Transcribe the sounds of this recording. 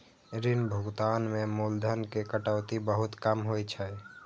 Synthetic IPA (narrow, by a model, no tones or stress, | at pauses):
ɾinbʱuɡt̪anmemold̪ʱənkekəʈəʊt̪ibəɦʊt̪kəmɦojt͡ʃʰɛ